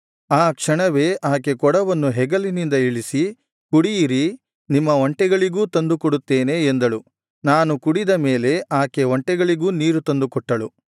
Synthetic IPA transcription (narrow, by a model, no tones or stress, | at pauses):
aːkʂɐɳɐʋe̞ːʔaːke̞kɔɽɐʋɐnːuɦɛɡɐlinind̪ɐiɭisi | kuɽijiɾi | nimːɐoɳʈɛɡɐɭiɡuːt̪ɐnd̪ukɔɽut̪ːeːne̞ːnd̪ɐɭu | naːnukuɽid̪ɐme̞ːle̞ʔaːkeɔɳʈɛɡɐɭiɡuːniːɾut̪ɐnd̪ukɔʈːɐɭu